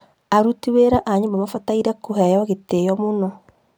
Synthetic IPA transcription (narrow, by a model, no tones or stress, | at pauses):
aɾutiweɾaʔaɲembamafataiɾakoɦɛjɔɣetejɔmunɔ